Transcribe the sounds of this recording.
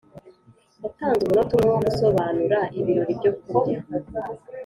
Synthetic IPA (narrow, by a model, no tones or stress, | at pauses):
ataːnzɡeno̞tumŋeoɡuso̞βaːnuɾaʔiβiɾoɾibɟokubɟa